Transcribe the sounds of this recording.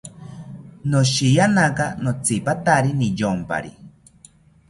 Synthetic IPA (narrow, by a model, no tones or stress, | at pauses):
noʃijanakanot͡sʰipat̪aɾinijompa̰ɾi